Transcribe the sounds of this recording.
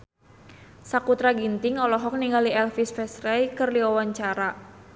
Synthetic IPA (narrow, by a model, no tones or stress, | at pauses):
sakut̪ɾaɡint̪ɪŋɔlɔɦɔk̚niŋaliɛlfisfɛsrɛjkɨrliwawaɲt͡ʃaɾa